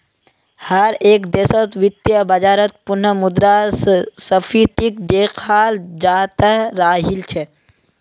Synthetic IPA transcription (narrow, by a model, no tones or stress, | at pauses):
həɾeːkd̪eːsət̪ʋɪt̪jəbɐd͡ʒaːɾət̪̚pʊnəmʊd̪ɾasəpʰiːt̪ikd̪eːkʰaːld͡ʒaːt̪əɾaːɦilt͡ʃʰɛ